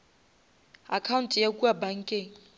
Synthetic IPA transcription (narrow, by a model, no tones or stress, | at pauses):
akʰauntʼjakʼuabaŋ̩kʼeːŋ̩